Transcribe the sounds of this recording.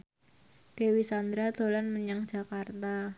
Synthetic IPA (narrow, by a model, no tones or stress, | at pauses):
d̥ewisand̪ɾad̪olanməɲaŋ̥d͡ʒ̥akart̪a